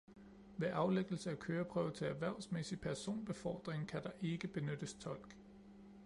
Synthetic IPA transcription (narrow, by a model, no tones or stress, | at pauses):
ʋe̝ʔɑ̈ʊleɡ̥l̩səækʰøːɐpʰʁœːʊt͡sʰeæʋæɐ̰ʊsmesipʰæɐso̝̰ːnb̥e̝fɒ̰ːd̥ʁeŋkʰæd̥ɑ̈ʔe̝ɡ̥əb̥e̝nød̥əst͡sʰɒ̽l̰ɡ̥